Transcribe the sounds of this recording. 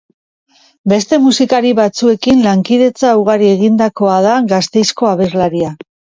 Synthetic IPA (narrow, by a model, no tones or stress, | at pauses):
be̞st̪e̞musikaɾiβat͡sue̞kinlaŋkiðe̞t͡sauɣ̞aɾie̞ɣind̪ako̞aðaɣast̪e̞jsko̞aβe̞zlaɾia